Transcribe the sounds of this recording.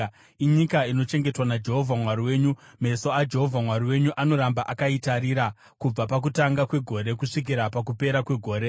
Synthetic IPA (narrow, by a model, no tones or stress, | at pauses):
iɲikaino̞t͡ʃe̞ŋɡetwanad͡ʒe̞ɦo̞vʱamwaɾiwe̞ːɲume̞so̞ad͡ʒe̞ɦo̞vʱamwaɾiwe̞ɲuʔano̞ɾambaʔakaitaɾiɾa | kub͡vapak̬utaŋɡakwe̞ɡʱo̞ɾe̞kuʂik̬iɾapak̬upe̞ɾakwe̞ɡʱo̞ːɾe̞